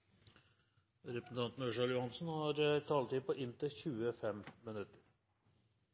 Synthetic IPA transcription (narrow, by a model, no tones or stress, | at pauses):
ɾɛpɾəsn̩t̪ɑnt̪n̩ɔʂɑljʊhɑnsnhɑɾt̪ʰɑːlt̪ɪpʰɔʔɪnt̪əçʉːəfɛmːənʉt̪əɾ